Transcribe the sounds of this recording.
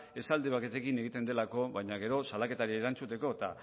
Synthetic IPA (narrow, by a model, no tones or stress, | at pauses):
e̞sald̪eβ̞aket̪e̞kine̞ɣ̞it̪e̞nd̪e̞lako̞βajɲaɣ̞e̞ɾo̞salake̞t̪aɾieɾant͡sut̪e̞ko̞t̪a